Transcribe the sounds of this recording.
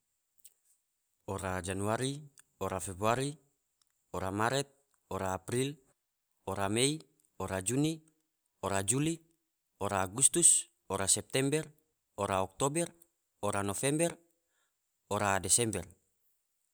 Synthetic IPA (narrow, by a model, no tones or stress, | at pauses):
oɾad͡ʒanuaɾi | oɾafɛbɾuaɾi | oɾamaɾɛt̪̚ | oɾaːpɾil | oɾamei | oɾad͡ʒuni | oɾad͡ʒuli | oɾaːɡust̪us | oɾasɛp̚t̪ɛmbɛr | oɾaɔk̚t̪obɛr | oɾanofɛmbɛr | oɾadɛsɛmbɛr